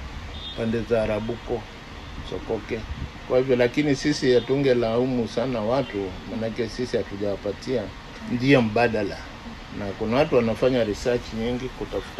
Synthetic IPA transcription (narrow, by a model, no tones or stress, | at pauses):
pandɛzaːɾaɓukɔ | sɔ̰kɔkɛkwahivjɔlakinisisijatuŋɡɛlaumusanawatumanakɛsisihatuʄawapatia | ndiam̩ɓaɗala | nakunawatuwanafaɲaɾisat͡ʃiɲiŋɡikutafu̥t